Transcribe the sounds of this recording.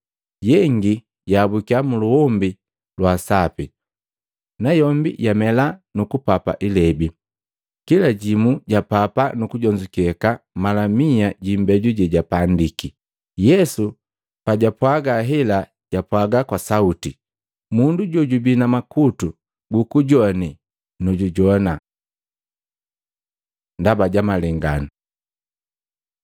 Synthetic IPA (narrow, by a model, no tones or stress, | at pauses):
ɟɛŋɡi | ɟabukiamuluɔmbi | lwaːsapḭ | najɔmbḭjamɛlanukupapa̰ʔilɛbi | kilaɟimuɟapapanukuɟɔɲd͡ʒukɛkamalamiaɟimbɛɟuɟɛɟapandiki | jɛsu | paɟapwaɡaɦɛla | ɟ̥apwaɡakwasauti | munduɟɔɟubinamakutu | ɡukuɟɔni | nɔɟuɟɔna | ndabaɟamalɛŋɡanu